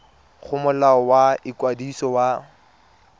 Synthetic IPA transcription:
χʊmʊlaɔwaɪkwadisɔwa

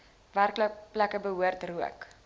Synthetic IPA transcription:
værkləplækəbəɦuərtruə̰k

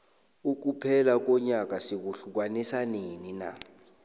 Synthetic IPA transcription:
uk̬upʰɛlak̬ɔɲak̬ʼasik̬uɬuk̬wanisanenina̰

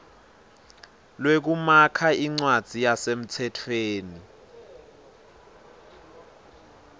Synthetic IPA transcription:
lwek̬umakʰaiŋ͡ǀwad̥z̥ʱijasem̩tʰɛtʰweːni

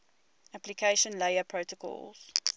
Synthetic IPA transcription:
aplikʰeɪʃə̃nleɪəpʰɹoʊtəkʰɔ̰lz̥

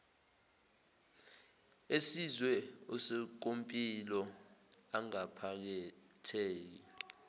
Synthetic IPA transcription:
esizwɛɔsɛk̬ompʼilɔ | aŋapʰak̬ɛtʰeːk̬i

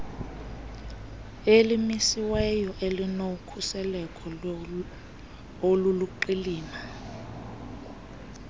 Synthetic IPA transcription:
elimisiwɛjɔʔelinokʰusɛlɛkʰɔ | oluluǃiliːma

